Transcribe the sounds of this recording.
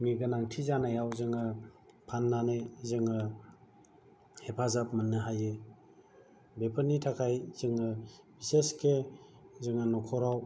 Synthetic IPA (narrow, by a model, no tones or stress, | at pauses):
miɡɯnaŋtʰizanajawzɯŋɯpʰanːanɯjzɯŋɯ | hepʰazap̚manːɯɦajɯ | bepʰənitʰakʰajz̥ɯŋɯbiseskʰezɯŋɯnɔkʰɔɾaw